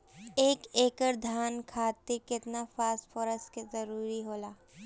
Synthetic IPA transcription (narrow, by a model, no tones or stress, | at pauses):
eːkeːkəɾd̪ʱaːnkʰaːt̪ekɪt̪nafaːsfʰoːɾəstkezɐɾuːɾiɦoːlaː